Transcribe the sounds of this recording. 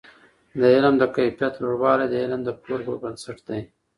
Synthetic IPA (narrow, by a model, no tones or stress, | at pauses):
d̪əɪlmd̪əkajfjat̪loɽwɑlajd̪əɪlmd̪əkʰoɾbobənsaʈd̪̥aj